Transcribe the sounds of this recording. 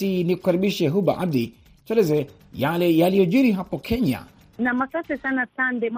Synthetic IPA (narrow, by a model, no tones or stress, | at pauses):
iniku̥kaɾiɓiʃɛɦuɓa̰ʔab̚di | t͡ʃwɛlɛzɛ | jalɛjalijɔʄiɾiɦapɔkʰɛɲa̰ | namasasɛsanasandɛm